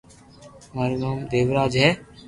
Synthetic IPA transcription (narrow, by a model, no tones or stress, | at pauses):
məɾnoːmd̪eːʋɾaːd͡ʒɦɛː